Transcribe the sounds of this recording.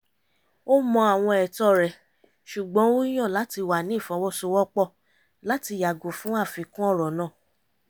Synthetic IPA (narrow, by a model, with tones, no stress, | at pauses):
o˦mɔ̃˧a˨w̃ɔ̃˧ɛ˨tɔ˧˨ɾɛ˨ | ʃu˨ɡ͡bɔ̃˨˦o˦j̃ɔ̃˦˨la˨˦ti˧wa˨nĩ˨˦i˦˨fɔ̃˨˧˦wɔ˦˨so˧˦wɔ˦k͡pɔ˦˨ | la˨˦ti˧ja˨ɡo˨fũ˦a˦˨fi˨˧˦kũ˦ɔ˦˨ɾɔ˨nãː˦˨